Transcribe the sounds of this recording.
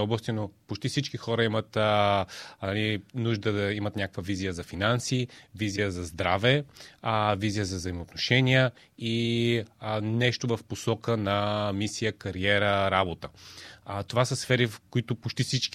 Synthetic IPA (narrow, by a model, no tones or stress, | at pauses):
ɔblˠəst̪inopot͡ʃt̪ifsit͡ʃkixɔɾəimət̪ | ɐlinuʒd̪əd̪ɐimət̪nʲakəkvəvizijəzɐfinansivizijəzɐzd̪ɾavɛ | vizijəzɐvzɐimoot̪noʃɛniə | i | nɛʃt̪ovɐfposɔkənɐmisijəkɐɾiɛɾəɾabot̪ə | t̪ovasəsfɛɾifkoit̪ʊpot͡ʃt̪ifsit͡ʃk